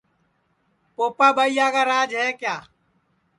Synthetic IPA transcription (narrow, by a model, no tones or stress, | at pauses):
poːpaːɓaːijaːɡaːɾaːd͡ʒɦeːkjaː